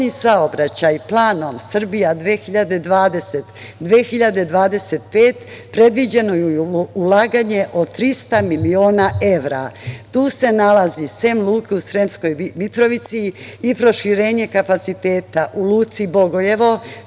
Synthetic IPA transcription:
ɲisaobɾat͡ɕajplˠaːno̞msr̩bijad̪ʋexiʎad̪e̞d̪ʋaːd̪eset̪ | d̪ʋeːxiʎad̪e̞d̪ʋaːd̪e̞set̪̚pe̞ːt̪pɾe̞d̪ʋid͡ʑe̞no̞juulaːɡaɲe̞ʔo̞t̪ɾist̪amilio̞ːnae̞ʋɾa̰t̪uːse̞nalazisemlˠuːkeusɾemsko̞jmit̪ɾo̞ʋit̪siːpɾo̞ʃiɾe̞ːɲe̞kapat̪sit̪e̞ːt̪aʔuluːt̪sibo̞ɡo̞je̞ʋo̞

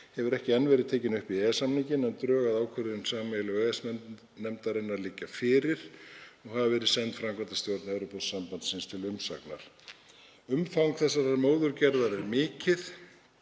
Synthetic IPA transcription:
hɛvʏɾɛhcɪɛnːvɛɾɪðt̪ʰeːjcɪnʏhpiɛsamnicɪnɛnt̪ɾœːɣaðaːwkʰœɾɪnsaːmɛlʏɛsɛ | nɛmt̪aɾɪnːaɾliːcːafɪːɾɪɾ̥ɔɣhavavɛːɾɪðsɛnt̪fɾamkʰɾant̪ast̪jowɾt̪nɛvɾʏpɔðsampant̪sɪnst̪ʰɪlʏmsa̰kna̰ɾ̥ | ʏmfawŋkθɛsːaɾaɾmoːwðʏɾcɛɾðaɾɛɾmɪːcɪθ

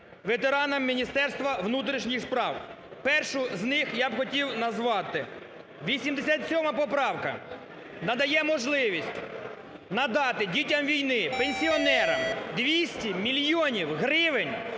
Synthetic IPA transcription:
ʋet̪eɾɑnɐmːʲinʲist̪ɛrst̪ʋɐʋnut̪ɾʲiʃnʲixspɾɑw | pɛrʃʊznɪxjabxɔtʲiwnɐzʋɑt̪ɪ | ʋʲisʲimd̪esʲat̪ʲsʲɔmɐpɔpɾɑwkɐ̰ | nɐd̪ɐjɛmɔʒlˠɪʋʲisʲtʲ | nɐd̪ɑt̪ɪdʲitʲɐmʋʲijnɪpenʲsʲiɔnɛɾɐmd̪ʋʲisʲtʲimʲilʲjɔnʲiwɦɾɪʋɪnʲ

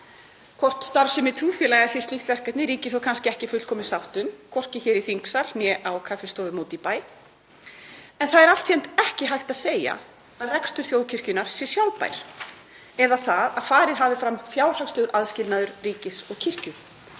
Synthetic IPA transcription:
kʰɔr̥t̪st̪aɾsʏmɪt̪ʰɾuːfjɛlɛɣasɛst̪iht̪vɛr̥kɛt̪nɪɾiːcɪθowkʰanscɪɛhcɪfʏl̥kʰɔːmɪsawht̪ʏmkʰɔr̥cɪçɛːɾiθiŋksaɾ̥njɛʔawkʰafɪst̪ɔːðʏmoːt̪ipaːj | ɛnθaðɛɾalt̪çjɛnt̪ɛhcɪɦajht̪aðseːja̰ | aðrɛkst̪ʏɾ̥θjowcʰɪr̥cʏnaɾ̥sjɛ̥sjawlpa̰jɾ̥ | ɛðaθaðaðfaːɾɪðɦaːvɪfɾamfjaːwɾ̥haksʏɣʏɾʔaðscɪlnaðʏɾriːcɪsɔɣcʰɪr̥cʏ

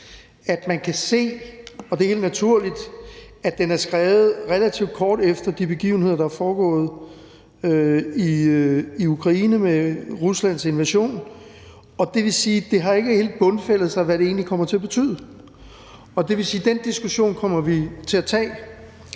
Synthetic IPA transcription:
æd̥mænkʰæse̝̰ːɒ̽d̥e̝ɐhe̝̰ld̥næt͡sʰuɐ̰lid̥æd̥enæɐsɡ̥ʁɛːʊð̞̩ˠʁɛlæt͡sʰiʊd̥̚kʰɒːd̥efd̥ɐd̥ib̥e̝ɡ̥ḭːʊn̩he̝ð̰ˠɐdɑæɐfɒːɡ̥ɔ̰̽ːð̞̩ˠ | øiiukʰʁɑ̈iːnəmeʁuslæn̰se̝nʋæɕo̝̰ːn | ɒ̽d̥e̝ʋe̝siːd̥e̝ɦɑ̈e̝ɡ̥əhe̝̰ːld̥̚b̥ɔ̽nfel̰ð̞̩ˠsɑ̈ɪʋæɾe̝e̝̰ːnlikʰɒ̽m̰ɐt͡sʰe̝æb̥e̝t͡sʰy̰ːð̰ˠə | ɒ̽d̥e̝ʋe̝siːd̥end̥isɡ̥uɕo̝̰ːnkʰɒ̽m̰ɐʋit͡sʰe̝æt͡sʰɛ̰ː

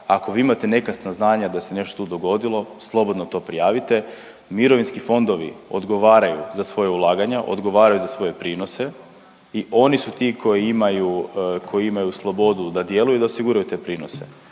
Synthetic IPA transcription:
ako̞ʋiːimat̪e̞ne̞kast̪naznaːɲad̪ase̞ne̞ʃt̪ot̪uːd̪o̞ɡo̞d̪ilˠo̞slˠo̞bo̞d̪not̪o̞ːpɾijaːʋit̪e̞ | miɾo̞ʋinskifo̞nd̪o̞ʋḭo̞d̪ɡo̞ʋaːɾajṵzasʋo̞jaulˠaːɡaɲaʔo̰d̪ɡo̞ʋaːɾajuzasʋo̞je̞pɾiːno̞se̞ | iʔo̞nisut̪ikʰo̞jiimajukʰo̞jiimajuslˠo̞bo̞d̪ud̪ad̪je̞lujud̪aosiɡuɾajut̪e̞ːpɾiːno̞se

